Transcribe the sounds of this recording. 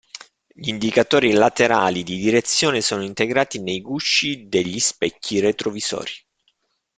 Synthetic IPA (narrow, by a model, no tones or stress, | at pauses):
ʎind̪ikat̪oːɾilat̪eɾa̰ːlid̪id̪iɾet̪sːjoːnesoːnoint̪eɡɾaːt̪inejɡuʃːid̪eʎːispɛcːiret̪ɾoviz̥ɔ̰ːɾi